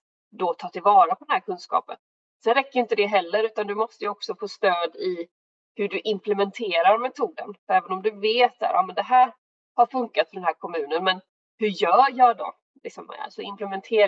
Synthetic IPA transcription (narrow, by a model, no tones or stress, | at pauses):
d̪ɔt̪ʰɑːt̪ɪlvɑːɾapʰɔd̪ɛnɦæːɾkʰɵnskɑ̰ːpən | sɛɾɛkːəjʏɪnt̪əd̪ɛɦɛlːəɾʉ̟ːt̪and̪ɵmɔst̪əjɵɔksɔfoːst̪øːd̪ɪ | hɵɖɵʔɪmplɛmɛnt̪ʰeːɾaɾmɛt̪ʰuːd̪ənfœɾɛːvənɔmd̪ɵveːt̪sæ̰ːɾʔɑ̰ːmɛnd̪ɛɦæːɾ | haɾfɵŋkat̪fœɖɛnɦæːɾkʰɔmʉ̟ːnənmɛn | hɵjœːjɑɖɔ̰ | lɪksɔm̰sɔɪmplɛmɛnt̪ʰeː